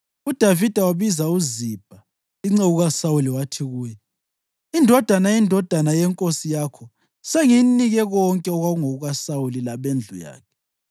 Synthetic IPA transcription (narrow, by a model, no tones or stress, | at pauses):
ud̥ʱavid̥ʱawaβizauzib̥ʱa | iŋ͡ǀɛɣuɣasauliwatʰiɣuːjɛ | indʱɔd̥ʱanajindʱɔd̥ʱanajɛŋkʼosijaːkʰɔ | seŋiniɣɛɣɔŋkʼɛɔɣwaɣuŋoɣuɣasawulilaβend͡ɮʱuja̰ːkʰɛ̥